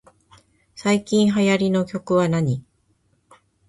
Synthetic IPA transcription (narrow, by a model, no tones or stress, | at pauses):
saikʲĩɰ̃ɦajaɾʲino̞kʲo̞kɯ̟βanaɲ̟i